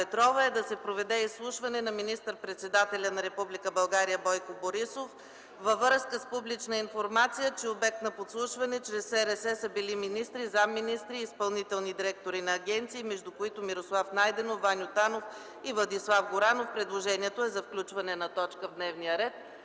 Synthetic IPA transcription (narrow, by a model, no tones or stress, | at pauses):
pɛt̪ɾɔvəɛd̪ɐsɛpɾovɛd̪ɛislˠuʃvɐnɛnɐminist̪əɾpɾɛt̪sɛd̪at̪ɛlʲənɐɾɛpublikəbɐlˠɡaɾijəbɔjkoboɾisof | vəvəɾskəspublit͡ʃnəinfoɾmat̪sijət͡ʃɛobɛk̚t̪nɐpot̪slˠuʃvɐnɛt͡ʃɾɛsɛɾɛsɛsəbiliminist̪ɾizamːinist̪ɾiːspɐlˠnit̪ɛlˠnid̪iɾɛk̚t̪oɾinɐːɡʲɛnt̪siːmɛʒd̪ukoit̪omiɾoslˠafnajd̪ɛnovːanʲjot̪anof | ivlˠɐd̪islˠafɡoɾanofpɾɛd̪lˠoʒɛniɛt̪oɛzɐfklʲut͡ʃvɐnɛnɐt̪ɔt͡ʃkəvd̪nɛvnijəɾɛt̪̚